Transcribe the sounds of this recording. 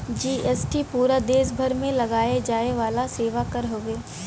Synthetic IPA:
d͡ʒiːɛːsʈipuːɾad̪eːs̬bʱəɾmẽlɐɡaːed͡ʒaːeʋaːlaseːʋakɐɾɦoːɡeː

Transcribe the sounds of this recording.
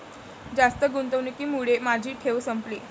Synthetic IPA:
d͡zast̪əɡunt̪əʋnekiːmuɽemad͡ʑʱiːʈʰeʋsəmple

